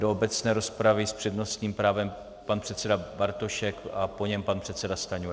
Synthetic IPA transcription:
doobɛt͡snɛːɾo̞spɾavɪspr̝̥ɛdno̞st̪ɲiːmpɾaːvɛm | panpr̥ɛt̪sɛdabaɾt̪o̞ʃɛkʔapo̞ɲɛmpanpr̝̥ɛt̪sɛdast̪aɲujɛ

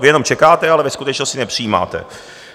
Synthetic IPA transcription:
jɛno̞mt͡ʃɛkaːt̪ɛalɛvɛskut̪ɛt͡ʃnoscɪnɛpr̥ijiːma̰ːt̪ɛ̰

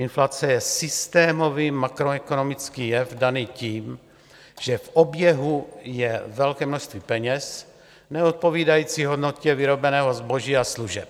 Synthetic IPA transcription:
ɪnflat͡sɛjɛsɪst̪ɛːmo̞viːmakɾoɛkono̞mɪt͡skiːjɛfdaniciːm | ʒ̥ɛfʔobjɛɦujɛvɛlkɛːmnoʃst̪viːpɛɲɛs | nɛot̪̚po̞viːdajiːt͡siɦo̞dno̞cɛvɪɾo̞bɛnɛːɦo̞zbo̞ʒiːasluʒɛp̚

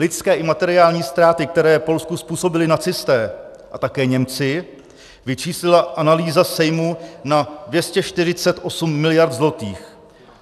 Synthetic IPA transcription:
lɪskɛːʔɪmat̪ɛɾɪaːlɲiːst̪ɾaːt̪ɪkt̪ɛɾɛːpo̞lskuspuːso̞bɪlɪnat͡sɪst̪ɛː | ʔat̪akɛːɲɛmt͡sɪ | vɪt͡ʃiːslɪlaʔanaliːzasɛjmunadvjɛscɛʃt̪ɪr̝ɪt͡sɛt̪ʔo̞sumːɪlɪjaɾt̪zlo̞t̪iːx

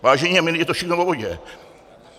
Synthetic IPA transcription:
vaːʒɛɲiamɪnjɛt̪ofʃɪxnovoboɟɛ

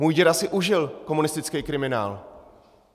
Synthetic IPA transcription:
muːjɟɛɾasɪʔuʒɪlko̞munɪst̪ɪt͡skɛjkɾɪmɪna̰ːl

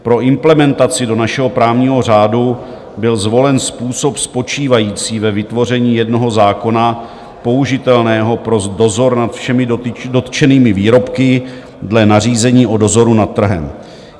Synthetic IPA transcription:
pɾo̞ʔɪmplɛmɛnt̪at͡sɪdo̞naʃɛɦo̞pɾaːvɲiːɦo̞r̝aːdu | bɪlzvo̞lɛnspuːso̞pspo̞t͡ʃiːvajiːt͡siːvɛvɪt̪vo̞r̝ɛɲiːjɛdno̞ɦo̞zaːko̞na | po̞uʒɪt̪ɛlnɛːɦo̞pɾo̞do̞zo̞ɾnat̪fʃɛmɪdo̞t̪t͡ʃɛniːmɪviːɾo̞pkɪ | dlɛnar̝iːzɛɲiːʔo̞do̞zo̞ɾunat̪ːr̩ɦɛ̰m

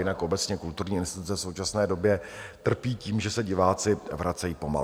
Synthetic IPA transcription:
jɪnakʔo̞bɛt͡sɲɛkult̪uɾɲiːɪnst̪ɪt̪ut͡sɛfso̞wt͡ʃasnɛːdo̞bjɛt̪r̩piːciːmʒɛsɛɟɪvaːt͡sɪvɾat͡sɛjiːpo̞ma̰l

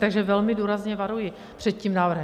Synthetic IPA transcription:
t̪aɡʒɛvɛlmɪduːɾazɲɛvaɾujɪ | pr̥ɛt̪̚cimnaːvr̩ɦɛ

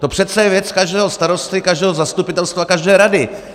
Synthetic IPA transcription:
t̪o̞pr̥ɛt̪t͡sɛjɛvjɛt͡skaʒdɛːɦost̪aɾo̞st̪ɪkaʒdɛːɦozast̪upɪt̪ɛlst̪vakaʒdɛːɾadɪ

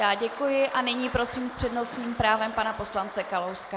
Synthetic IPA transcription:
jaːɟɛkujɪʔanɪɲiːpɾo̞siːmspr̥ɛdno̞sɲiːmpɾaːvɛmpanapo̞slant͡sɛkalowska

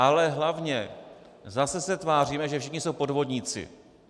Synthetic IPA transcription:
ʔalɛɦlavɲɛ | zasɛsɛt̪vaːr̝iːmɛʒɛfʃɪxɲɪso̞wpo̞dvo̞dɲiːt͡sɪ̰

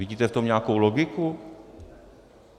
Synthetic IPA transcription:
iɟiːt̪ɛft̪omɲɛakowloɡɪku

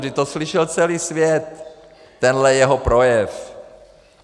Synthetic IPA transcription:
dɪt̪oslɪʃɛlt͡sɛliːsvjɛt̪ː | ɛnɦlɛjɛɦopɾo̞jɛf

